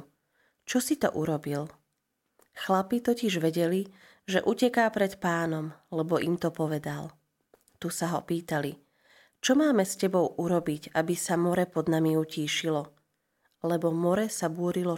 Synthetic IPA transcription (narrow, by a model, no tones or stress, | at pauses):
t͡ʃɔsit̪ɔ̰ʔuɾɔbil | xlapit̪ɔciʒʋɛɟɛli | ʒɛʔucɛkaːpɾɛt̪paːnɔmlɛbɔʔimt̪ɔpɔʋɛd̪al | t̪usaɦɔ̰piːt̪ali | t͡ʃɔmaːmɛscɛbɔʊʔuɾɔbiɟabisamɔɾɛpɔd̪namiuciːʃilɔ | lɛbɔmɔɾɛsabʊɔɾilɔ